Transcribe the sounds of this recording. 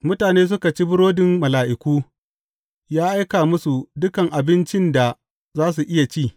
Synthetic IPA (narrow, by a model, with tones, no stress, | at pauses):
mʊ˦taː˨neː˦s̬ʊ˦ka˨t͡ʃi˦bʊ˦ɽoː˦dɪ˨mmɐ˨laː˨ʔɪ˨kʷuː˦ | jaː˦ʔa˦jkaː˨mʊ˦su˨dʊ˦kɐ˨ŋʔa˨bɪ˦nt͡ʃɪ˦nda˨ | zaː˦s̬u˨ʔɪ˦ja˨t͡ʃiː˦˨